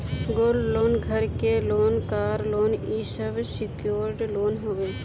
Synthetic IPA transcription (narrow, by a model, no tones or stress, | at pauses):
ɡoːlloːnɡʱɐɾkeloːnkaːɾloːniːsəʋsɪkjoːɾʈloːnɦoʋeː